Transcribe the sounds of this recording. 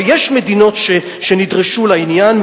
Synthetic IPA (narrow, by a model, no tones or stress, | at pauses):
jeʃmedino̞tʃe | ʃenidʁeʃulainjanm